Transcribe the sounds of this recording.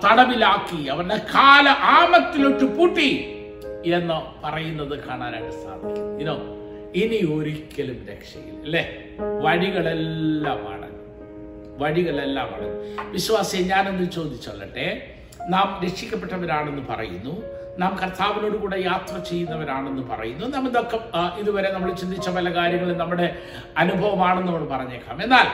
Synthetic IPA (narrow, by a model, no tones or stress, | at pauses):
t̪ɐɽɐmilaːkːiɐʋɐrɖekaːlɐʔaːmɐt̪ːiloʈːɨpuʈːi | enːɐpɐrɐjunːɐðɨkaːɳaːnɐ̰ɽɐsa̰ːd̪ʱikʲːuinoː | inio̞ɾikʲːɐlumɾḛkʂɐ̰jḭlle | ʋɐɻiɣɐɭelːaːma̰ːɳḛn | ʋɐɻiɣɐɭe̞lːa̰ːma̰ːɳḛnːʋiɕʋaːsijɐɲaːnenːɨt͡ɕo̞ːd̪ʱit͡ɕːɐɭːɐ̰ʈːe | naːmɾekʂikʲːɐpːe̞ʈːɐʋɐɾaːɳe̞nːɨupɐ̰rɐ̰jṵnːu | naːmkɐrt̪aːʋino̞ːɽukuːɽe̞jaːt̪rɐt͡ɕe̞jːunːɐʋɐɾaːɳe̞nːɨpɐ̰rɐ̰junːunɐmːilokːeiðuʋɐɾe̞nɐmːuɽet͡ɕind̪it͡ɕːɐpɐlɐkaːɾjɐŋːɐɭilnɐmːuɽe̞ | ɐnubʱɐʋɐmaːɳenːuɐmːɐɭpɐrɐɲːeːkːa̰ːme̞nːaːl